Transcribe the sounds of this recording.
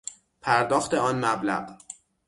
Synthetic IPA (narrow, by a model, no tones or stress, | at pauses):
pʰæɾd̪ɒːxt̪eɒːnmæblæ̰ɢ